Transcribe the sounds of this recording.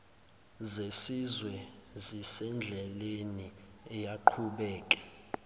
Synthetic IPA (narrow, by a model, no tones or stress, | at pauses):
zesizwɛzisɛnd͡ɮʱɛleniɛjaǃʰuɓɛːkʼɛ̥